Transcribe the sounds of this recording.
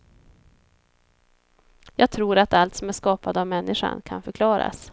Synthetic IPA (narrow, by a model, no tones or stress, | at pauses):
jɑːɡ̚t̪ʰɾuːɾat̪alt̪sɔmæʂkɑːpad̪əavmɛnːɪʂa̰nkʰa̰nfœɾkʰlɑːɾa̰s